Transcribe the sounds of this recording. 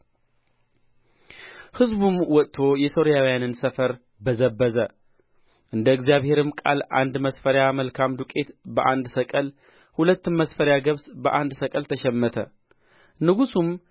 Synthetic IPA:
hɨzbumwɔt̪ʼt̪ʰo̞jɛso̞ɾijawijanɨnsəfəɾ | bəzəbːəzə | ʔɨnd̪əɨɡzjaβhe̞ɾɨmkʼa̰la̰nd̪məsfəɾjaməlkʰamd̪ukʼe̞t̪bəʔand̪səkʼəl | hulət̪ːɨnməsfəɾjaɡəβsbəʔand̪səkʼəlt̪ʰəʃɛmːət̪ʰə | nɨɡusum

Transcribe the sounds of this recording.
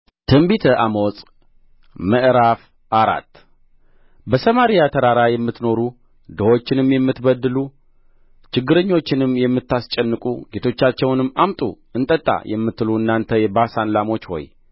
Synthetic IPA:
t̪ʰɨmbit̪ʰəʔamo̞sʼ | məʔɾaf | ʔaɾa̰t̪ː | bəsəmaɾijat̪ʰəɾaɾajɛmːɨt̪ːno̞ɾu | d̪əwo̞t͡ʃːɪnɨmjɛmːɨt̪bəd̪ːɨlu | t͡ʃɪɡːɨɾəɲːo̞t͡ʃːɪnɨmːjɛmːɨt̪ːast͡ʃʼɛnːɨkʼṵɡet̪ʰo̞t͡ʃːat͡ʃːɛwnɨmːamt̪ʼṵ | ɨnt̪ʼət̪ʼːa̰jʔɛmːɨt̪ːɨluɨnːant̪ʰəjɛbasanlamo̞t͡ʃːho̞̰j

